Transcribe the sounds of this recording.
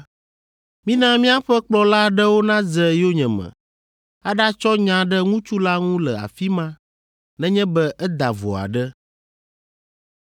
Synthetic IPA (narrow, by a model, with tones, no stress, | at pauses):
mĩ˦nã˦mĩ˦a˦ɸɛ˦k͡plɔ˦la˦ɖɛ˦wo˦nã˦zɛ˨jo˦ɲɛ̃˨mɛ̰̃˨ | a˦ɖa˦t͡ʃɔ˦ɲã˨ɖɛ˦ŋũ˦t͡ʃu˦la˦ŋũ˦lɛ˨a̰˨fi˦mã˦ | nɛ̃˦ɲɛ̃˦bɛ˦ʔɛ˦d̪a˨vo̰˨a̰˨ɖɛ˦